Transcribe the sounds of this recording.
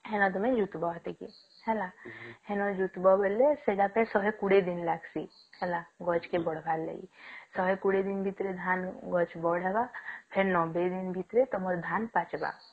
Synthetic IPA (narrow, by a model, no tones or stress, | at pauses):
ɦɛnɔd̪ɔmẽd͡ʒut̪bat̪eke | hɛlahɛnɔd͡ʒut̪bɔbəlːeseɖapesɔɦekuɽed̪inlaksi | hɛlaɡɔt͡ʃkebɔɽ̤bʱalːḛḭsɔɦekuɽed̪inbʱit̪ɾed̪ʱaːnɡɔt͡ʃbɔɽɦɛbapʰeɾnɔbed̪inbʱit̪ɾet̪ɔmɔɾd̪ʱaːnpat͡ʃba̰